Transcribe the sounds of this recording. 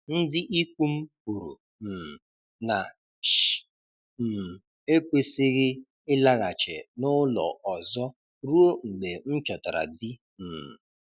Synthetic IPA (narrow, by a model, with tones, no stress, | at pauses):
n̩˦dɪ˦ʔi˦kʷu˦m̩˦pu˨ɾṵ˨ | m̩˨ | na˨ | ʃ | m̩˨ | e˦kʷe˦sɪ˦ɣɪ˦ | ɪ˦la˦ɣa˨t͡ʃḛ˨nʊ˦lɔ̰˨ʔɔ˨zɔ˦ | ɾu˦o˦ŋ͡m̩˨ɡ͡be˨n̩˦t͡ʃɔ˨ta˨ɾa̰˨di˦ | m̩˨